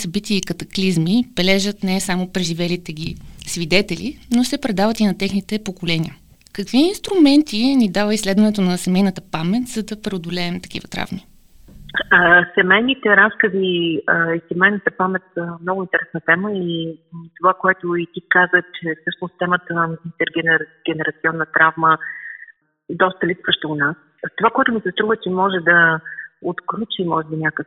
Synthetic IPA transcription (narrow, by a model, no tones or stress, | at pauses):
sɐbit̪iːkɐt̪ɐklizmib̥ɛlɛʒət̪nɛsamopɾɛʒivɛlit̪ɛɡ̟isvid̪ɛt̪ɛlḭnosɛpɾɛd̪avət̪inɐt̪ɛxnit̪ɛpokolɛnʲḭjə | kɐkviinst̪ɾumɛnt̪ʰinid̪avəislɛd̪vɐnɛt̪onɐsɛmɛjnət̪əpamɛt̪ʲz̥ɐd̪ɐpɾɛod̪olɛːmt̪ɐ̥k̟ḭvət̪ɾa̰vni | sɛmɛjnit̪ɛɾaskəziəisɛmɛjnət̪əpamɛt̪səmnɔɡʊint̪ɛɾɛsnət̪ɛməit̪ovakoɛt̪ʊit̪ikazət͡ʃɛsɤʃt̪nost̪ɛmət̪əint̪ɛɾɡɛnɛɾɡ̥ɛnɛɾɐt̪siɔnːət̪ɾavmə | d̪ɔst̪əlipsvəʃt̪ɛʊnas | t̪ovakoɛt̪ʊmisɛst̪ɾuvət͡ʃɛmɔʒɛd̪ɐot̪klʲut͡ʃimɔʒɛbinʲakək